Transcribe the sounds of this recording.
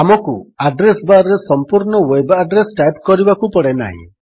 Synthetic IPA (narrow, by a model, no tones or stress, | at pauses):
amɔkuaɖɾesbaɾesɔmpuɾɳɔwebaɖɾesʈajpkɔɾibakupɔɽena̰ɦḭ̃